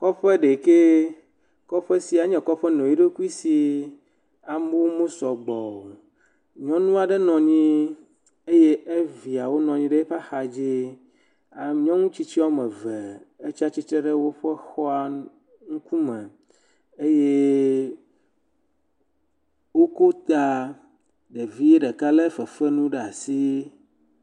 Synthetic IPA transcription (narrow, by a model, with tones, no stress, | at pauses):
kɔ˦ɸɛ˦ɖe˨ke˦ | kɔ˦ɸɛ˦si˨a˨ɲɛ̃˨kɔ˦ɸɛ˦nɔ̃˨ji˦ɖe˦ku˦i˦si˨ | a˨me˦wo˦mõ˦sɔ˨ɡ͡bɔ˨o˨ | ɲɔ̃˦nũ˦a˨ɖɛ˦nɔ̃˨ɲĩ˦ | e˦je˦ʔe˦vi˨a˨wo˦nɔ̃˨ɲĩ˦ɖe˦e˦ɸa˦xa˨d͡ʑi˦ | a˨ɲɔ̃˦ŋũ˦t͡ɕi˦t͡ɕi˦a˦wo˦mɛ̃˨ve˨e˦t͡ɕi˦a˦t͡ɕi˦t̪ɾe˦ɖe˦wo˦ɸɛ˦xɔ˦a˨ | ŋũ˦ku˦mɛ̃˨ | e˦je˦ | wo˦ko˦t̪a˦ | ɖe˨vi˦e˦ɖɛ˨ka˦le˦fe˨fɛ˦nũ˦ɖɛ˦a˨si˦